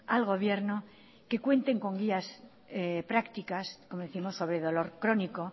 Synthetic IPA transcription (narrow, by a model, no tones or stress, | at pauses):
alɣ̞o̞β̞je̞ɾno | ke̞kwe̞nt̪e̞ŋko̞ŋɡias | pɾakt̪ikaskomoðeθimo̞sːo̞β̞ɾeðo̞lo̞ɾkɾo̞niko̞